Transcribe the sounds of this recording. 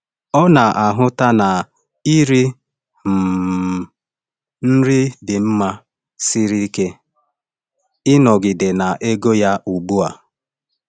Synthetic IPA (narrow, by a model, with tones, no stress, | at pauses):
ɔ˦na˨ʔa˨ɦʊ˦ta˦na˨ | i˦ɾi˦ | m̩˨ | n̩˦ɾɪ˦dɪ˨m̩˦ma˦ | sɪ˦ɾi˦ke˦ | ɪ˦nɔ˨ɡɪ˨de˨na˨ʔe˦ɡo˦ja˦ʔu˨ɡ͡bu˦a˨